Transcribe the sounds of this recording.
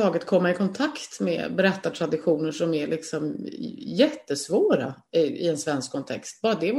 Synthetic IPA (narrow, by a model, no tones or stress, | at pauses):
ɑːɡət̪kʰɔmːaɪkʰɔnt̪ʰakt̪mɛ̰bɛɾɛt̪ːat̪ʰɾad̪ɪɧuːnəʂɔmæɾɭʔɪksɔmjɛt̪ːəsvoːɾa̰ | ɪɪ̰ɛnsvɛnskʰːɔnt̪ʰɛ̰kst̪̚bɑːɾad̪ɛ